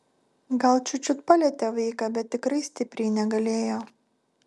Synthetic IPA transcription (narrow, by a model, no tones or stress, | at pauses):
ɡɐlˠt͡ʃʲʊt͡ʃʲʊt̪pɑlʲiɛt̪ʲɛʋɐɪkɑbʲɛt̪ːʲɪkɾɐɪsʲt̪ʲɪpʲɾʲɛɪnʲɛɡɐlʲeːjoː